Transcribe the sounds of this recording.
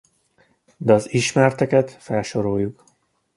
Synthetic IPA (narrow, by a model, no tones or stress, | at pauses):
d̪ɛɒziʃmɛrt̪ɛkɛt̪fɛlʃo̞ɾojːuk